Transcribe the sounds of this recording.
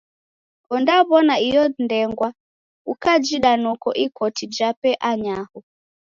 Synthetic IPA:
kɔndaβɔnaijɔndɛŋɡwa | ukad͡ʒiɗanɔkɔʔikɔtid͡ʒapɛʔaɲahɔ

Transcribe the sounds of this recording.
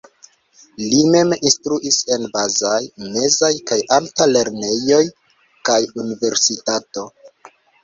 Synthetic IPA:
lime̞minstɾuʔise̞nbazajme̞zajkajʔaltale̞ɾne̞jo̞j | kajunive̞ɾsitato̞

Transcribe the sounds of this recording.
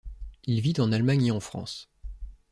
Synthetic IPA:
ilvit̪ɑ̃nalmaɲeɑ̃fχɑ̰̃s

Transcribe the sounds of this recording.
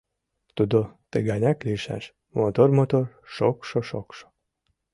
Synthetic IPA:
t̪ud̪ot̪eɡanʲakliʃa̰ʃ | mot̪ormot̪or | ʃokʃoʃo̰kʃo̥

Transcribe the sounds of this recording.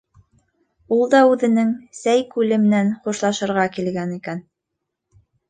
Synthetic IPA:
ulˠd̪ɑʉðɘ̆nɘŋsæjkʉlɘmɘ̆nænχuʃlˠɑʃɤ̆ɾʁɑkilɡænikæn

